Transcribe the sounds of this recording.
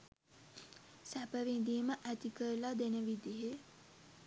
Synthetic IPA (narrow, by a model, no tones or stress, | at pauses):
sæpəʋind̪iːməʔæt̪ikəɾlad̪enəʋid̪iɦe